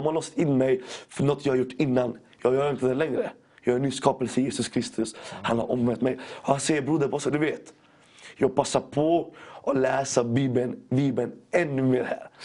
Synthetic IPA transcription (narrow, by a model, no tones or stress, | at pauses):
malɔːst̪ɪnːmɛjfœɳɔt̪ːjɑːhaɾjʊʈːɪnːan | jɑːɡjœːɾɪnt̪əd̪ɛlɛŋɾə | jɑːhaɾɛnyːskɑːpəlsəjeːsɵskʰɾɪst̪ʰɵshanha̰ɾʔɔmvɛnt̪mɛjɔhansɛjːəɾbɾuːd̪əɾpɔsɔd̪ɵveːt̪ | jɑːɡ̚pasːaɾpʰɔʔɔlɛːsabiːbənbiːbənɛnːʉmeːɾhæ̰ːɾ